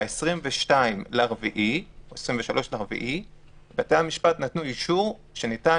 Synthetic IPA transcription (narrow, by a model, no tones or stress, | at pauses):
esʁimveʃtaimleaʁviʔioesʁimveʃalo̞ʃleaʁvḭʔi | batejhamiʃpatnatnuiʃuʁ | ʃenita